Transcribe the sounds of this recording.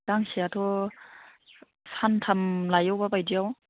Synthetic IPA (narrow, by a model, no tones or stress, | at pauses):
aŋsiatʰɔ | santʰamlajɔwbabajdiaw